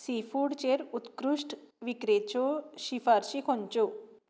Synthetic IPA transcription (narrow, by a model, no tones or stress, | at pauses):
sifuɽt͡ɕeɾut̪kɾuʂʈʋikɾet͡ɕoɕifaɾɕikʰoɲt͡ʃo